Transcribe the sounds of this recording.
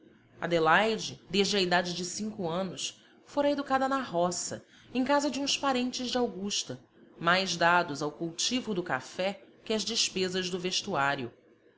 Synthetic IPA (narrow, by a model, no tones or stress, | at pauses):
ɐ̰d̪elajd͡ʒɪd̪eʒd͡ʒɪɐid̪ad͡ʒɪd͡ʒɪsĩŋkuɐ̃nʊs | foɾɐed̪ukad̪ɐnɐɦɔsɐ̰ | ẽj̃kazɐd͡ʒɪũspaɾẽnt͡ʃɪzd͡ʒɪawɡuʃt̪ɐ | majzd̪ad̪ʊzawkuwt͡ʃivʊd̪ʊkafɛ | kʲɪɐzd͡ʒɪʃpezɐzd̪ʊveʃt̪uaɾjʊ